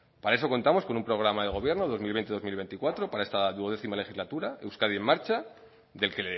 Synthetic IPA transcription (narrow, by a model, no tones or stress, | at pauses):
paɾaeso̞ko̞nt̪amo̞sko̞numpɾo̞ɣ̞ɾamaðe̞ɣ̞o̞β̞je̞ɾno̞ðo̞zmilβe̞nt̪eðo̞zmilβe̞nt̪ikwat̪ɾo̞paɾaest̪aðuoðe̞θimale̞xizlat̪uɾae̞wskaðie̞mːaɾt͡ʃa | ðe̞lke̞le